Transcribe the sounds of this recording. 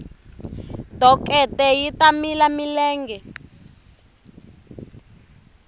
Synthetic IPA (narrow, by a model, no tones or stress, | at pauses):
dɔkʼɛtɛjitamilamilɛːŋɡɛ